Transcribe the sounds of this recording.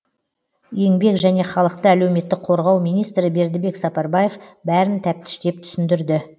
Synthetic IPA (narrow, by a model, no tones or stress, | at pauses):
je̞ŋbe̞kʒæne̞χɑlˠəq̚t̪əæle̞wme̞t̪ːɪk̚qʰo̞ɾʁɑwmijnijst̪ɾɪbe̞ɾd̪ɪbe̞ksɑpɑɾbɑje̞fbæɾɪnt̪ʰæp̚t̪ɪ̥ʃt̪e̞p̚t̪ʰʏ̥sɪnd̪ɪɾd̪ɪ